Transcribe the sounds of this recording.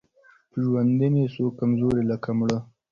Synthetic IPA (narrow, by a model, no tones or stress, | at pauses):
pʒwand̪inesokːamzoɾelakamɽə